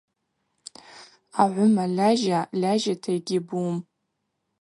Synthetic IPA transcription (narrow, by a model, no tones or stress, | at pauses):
aʕʷʊmaɮaʒalaʒatʰejɡʲɪbuːm